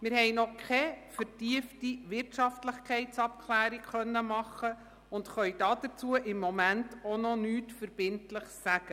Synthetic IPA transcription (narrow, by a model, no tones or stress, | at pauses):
mɪɾhɛjnɔkʰχɛfəɾtiəftiʋɪrtʃɑftləχkʰɛɪtt͡sɑp̚kʰlæːɾikχœnːəmɑχːə | ʊndχœʏjd̥ɑːd̥ət͡suəʔɪmːɔmæntonɔnyːtfəɾb̥ɪntləχsæɡ̥ə